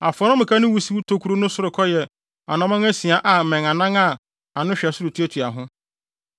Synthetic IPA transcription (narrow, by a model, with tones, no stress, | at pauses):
a˨fɔ˨˦ɾʊ̃˦mɪ̃˨kʰa˦nʊ̃˦wu˦si˦wu˦tʰo˦kʰu˦ɾu˦nʊ̃˦sʊ˦ɾʊ˨kʰɔ˦jɛ˨ | a˨nã˨mã˦ŋæ˦si˨a˨ʔa˨mɛ̃˨ŋa˨nã˦ŋa˦˨ | a˨nʊ̃˦ɕᶣɛ˨sʊ˦ɾu˨tʰi˦æ˦tʰu˨a˨ɦʊ̃˦